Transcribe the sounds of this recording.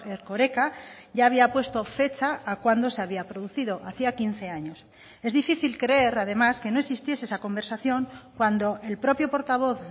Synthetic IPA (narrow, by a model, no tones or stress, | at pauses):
eɾko̞ɾe̞kaʝaːβiapwe̞st̪o̞fe̞t͡ʃaːkwand̪o̞se̞aβ̞iapɾoðuθið̞o̞ʔaθiakinθe̞aɲo̞s | e̞zðifiθilkɾe̞e̞ɾaðe̞maske̞noesist̪je̞seesako̞mbe̞ɾsaθjõ̞ŋkwand̪o̞e̞lpɾo̞pjo̞po̞ɾt̪aβ̞o̞θ